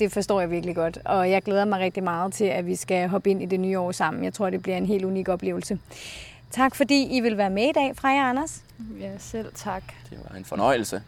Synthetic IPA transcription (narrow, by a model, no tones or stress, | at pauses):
d̥e̝fɒ̽sd̥ɔ̰ːjɑ̈ʋiɐɡ̥liɡ̥ɒ̽d̥ɒ̽jɑ̈ɪɡ̥leːð̞ˠɐmɑ̈ɪʁeɡ̥̚d̥imɑ̈ːð̞̩ˠt͡sʰe̝læʋisɡ̥æɦɒ̽b̥əe̝n̰id̥e̝nyːɒ̰ːsɑ̈m̰n̩jɑ̈ɪt͡sʰʁo̝ɐ̰d̥e̝b̥liɐe̝nɦe̝̰ːlunḭɡ̥ɒ̽b̥le̝̰ːʊl̩sə | t͡sʰɑ̈ɡ̥fɒ̽d̥ḭːiʋe̝lʋæːɐmeid̥ɛ̰ːfʁɑ̈jɑɑnɐs | sel̰t͡sʰɑɡ̥d̥eʋɑ̈e̝nfɒnɒ̽ɪ̰l̩sə